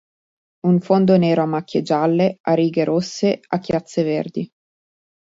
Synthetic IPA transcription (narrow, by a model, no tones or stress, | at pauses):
uɱfond̪oneːɾoamːakʲːed͡ʒalːeaɾiːɡeɾʔosːeakːjat̪sːevḛrd̪i